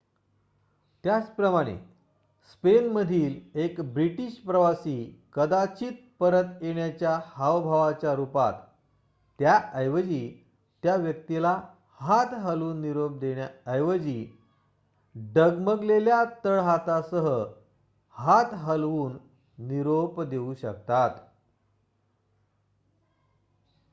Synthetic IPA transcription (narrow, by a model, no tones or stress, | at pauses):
t̪jat͡spɾəmaɽ̃ḛ | spenməd̪ʱiːlekbɾiʈiːɕpɾəʋasiːkəd̪at͡ɕiːt̪̚pəɾət̪jeɳjat͡ɕjahaʋbʱaʋat͡ɕjaɾupa̰t̪ː | jaəjʋəd͡ʑi | t̪jaʋjək̚t̪ila | hat̪ɦəluːnːiɾop̚d̪ẽjaəjʋəd͡ʑiː | ɖəɡməɡleljat̪əɭɦat̪asəɦə | hat̪ɦəlʋuːnː | iɾopd̪euɕək̚t̪at̪